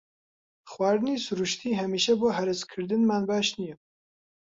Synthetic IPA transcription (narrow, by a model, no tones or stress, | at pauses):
xwaːɾɨniːsʊɾuʃt̪ʰiːɦɛmiːʃɛboːɦɛɾɨskʰɨɾd̪ɨnmaːnbaːʃnijɛ